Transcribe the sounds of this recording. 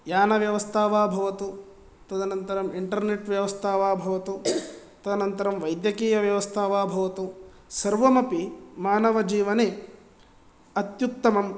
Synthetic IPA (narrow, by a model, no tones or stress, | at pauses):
jaːnɐʋjɐʋɐst̪ʰaːʋaːbʱɐʋɐt̪u | t̪ɐd̪ɐnɐnt̪ɐɾɐmiɳʈɐɾneʈʋjɐʋɐst̪ʰaːʋaːbʱɐʋɐt̪u | t̪ɐd̪ɐnɐnt̪ɐɾɐmʋɐjd̪jɐkiːjɐʋjɐʋɐst̪ʰaːʋaːbʱɐʋɐt̪u | sɐɾʋɐmɐpimaːnɐʋɐd͡ʒiːʋɐneː | ɐt̪juk̚t̪ɐmɐm